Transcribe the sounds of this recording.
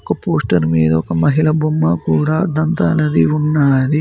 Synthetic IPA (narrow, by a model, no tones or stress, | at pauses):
ɔkːɐpoːsʈɐɾmiːd̪ɐɔkɐmɐɦilɐbʱomːɐkuːɽad̪ɐnt̪ɐɐlɐd̪iunːaːd̪i